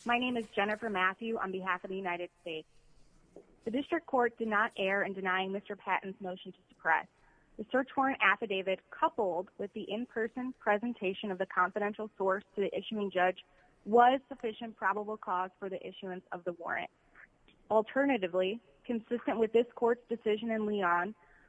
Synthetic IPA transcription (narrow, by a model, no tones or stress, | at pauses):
maɪnẽɪ̃mɨzd͡ʒɛnɨfə˞mæθjʉʔə̰̃nbɨɦæfʌvðɨjʉnaɪɾɨd̥steɪts | ðɨdɪstɹ̥ɨk̚kʰːɔɹt̚d̥ɨdⁿnəɾʔɛɹɨ̃ndɨnaɪɪ̃ŋmɪstə˞pʰæ̰ʔn̩zmoʊʃn̩tʰɨsɨ̥pʰɹ̥ɛ̰s | ðɨsɜ˞t͡ʃwɔɹɨ̃ntæfɨdeɪvɨd̚kʰʌpl̩ˠd̚wɨðiʔɪ̃mpʰɜ˞sɨ̃npʰɹ̥ɛzɨ̃ntʰeɪʃɨ̃nʌvðɨkʰɑ̃ɱfɨɾɛ̃nʃl̩ˠsɔɹstʰɨðiʔɪʃʉɪ̃ŋd͡ʒʌd͡ʒ | wʌz̥sɨfɪʃɨ̃npʰɹ̥ɑbəbl̩ˠkʰɔz̥fə˞ðiʔɪʃʉɨ̃nsʌ̰vðəwɔ̰ɹɨ̰̃nt̚ | l̩ˠtʰɜ˞nɨɾɨvli | kʰɨ̃nsɪstɨ̃nʔwɨðɪskʰɔɹtsd̥ɨsɪʒɨ̃nɨ̃nliə̃n